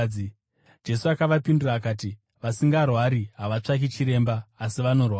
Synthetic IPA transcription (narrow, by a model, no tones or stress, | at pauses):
d͡ʒe̞suakaʋapinduraːkaːti | ʋasiŋɡarwaɾiɦaʋat͡ʂak̬it͡ʃiɾe̞ːmbaːsiʋano̞rwa